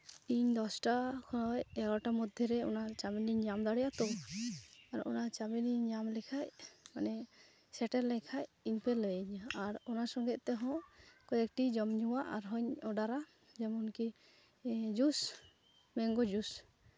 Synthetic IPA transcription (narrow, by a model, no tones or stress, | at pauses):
iɲd̪ɔsʈakʰɔnɔjɛɡɔʈamɔd̪ʱjɔɾɛɔ̰nat͡ʃaminiɲɲamd̪aɽɛjat̪ɔ | aɾɔ̰nat͡ʃaminiɲɲamlɛkʰaʔmanɛ | sɛʈɛɾlɛkʰajiɲpɛləɲaɾɔnasɔŋɡɛʔ̪̚t̪ɛɦɔ̃kɔjɛk̚ʈid͡ʒɔmɲuwaʔa̰ɾɦɔɲɔɖaɾa | d͡ʒɛmɔnki | d͡ʒus | mɛŋɡɔd͡ʒus